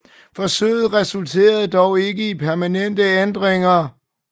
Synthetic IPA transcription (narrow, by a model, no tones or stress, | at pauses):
fɒ̽søːð̩ˠʁɛsult͡sʰe̝̰ːɐð̞̩ˠd̥ɒʊe̝ɡ̥əipʰæɐmænen̰d̥əend̥ʁeŋɐ